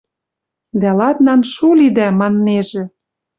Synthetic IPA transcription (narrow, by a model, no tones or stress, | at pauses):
d̪ælɑt̪nɑnʃulid̪æmɑnːeʒĕ